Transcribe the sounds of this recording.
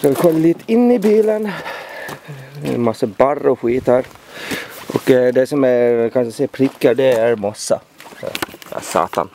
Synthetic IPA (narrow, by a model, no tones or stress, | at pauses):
skad̪ɪkʰɔlːaliːt̪əɪnːɪbiːlən | masːəbaɾːɔɧiːt̪əɾ | ʔɔkd̪ɛsɔmækʰanʂsɛpʰɾɪkːəɖ̪ɛæɾmasːa̰ | sɔ̰sɑ̰ːt̪a̰n